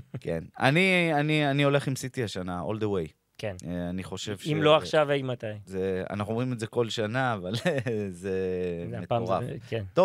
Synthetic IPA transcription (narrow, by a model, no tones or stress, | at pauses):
ke̞̰na̰nianianio̞le̞χimsit̪iaʃanao̞̰ld̪ewej | kenaniχo̞ʃe̞vʃimloaχʃavajmat̪ajzea̰naχnuomʁimedzeko̞lʃanaːvalzemetoʁafkent̪o